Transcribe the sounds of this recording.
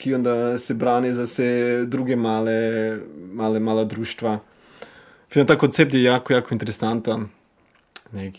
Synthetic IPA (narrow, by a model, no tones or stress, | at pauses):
kiond̪asɛbɾaːnizawsɛd̪ɾuːɡɛmaːlɛ | maːlɛmaːlad̪ɾuːʃt̪ʋa | fit̪mat̪aːkont̪sɛp̚t̪jɛjaːkojaːkoint̪ɛɾesant̪a | nɛk